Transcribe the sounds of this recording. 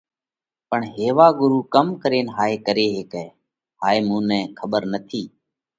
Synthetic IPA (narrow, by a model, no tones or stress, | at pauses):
pəɳɦeːʋaːɡʊɾuːkəmkəɾeːnɦaːeːkəɾeːɦeːkɛː | ɦaːeːmũːnɛ̃ːkʰəɓəɾnət̪ʰiː